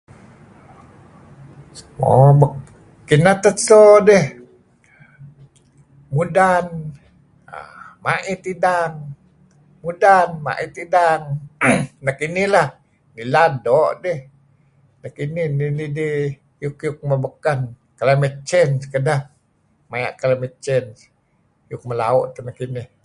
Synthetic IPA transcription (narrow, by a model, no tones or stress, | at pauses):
sə̥mo̰bə | kinat̪əsodɛh | mudan | a̰maʔit̪idaŋ | mudanma̰ʔit̪idaŋ | nakinihlah | niladɔʔdɛh | nakininilidi | jʊkjʊk̚məbəkan | kalamet͡ʃɛnskəda | maja̰ʔkalamet͡ʃɛn | jʊk̚məlaɔʔt̪ənakinih